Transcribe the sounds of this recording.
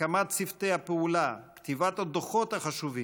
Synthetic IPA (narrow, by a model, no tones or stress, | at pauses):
amat̪sift̪ejhapeulakt̪ivat̪ad̪oχot̪haχaʃuvi